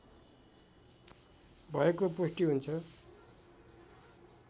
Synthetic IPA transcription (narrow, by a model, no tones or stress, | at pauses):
bʱʌekoposʈiɦunt͡sʰʌ